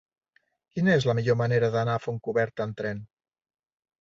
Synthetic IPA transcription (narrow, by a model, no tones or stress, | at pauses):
kinəezləmiʎoməneɾəðənafoŋkuβɛɾt̪ənt̪ɾɛn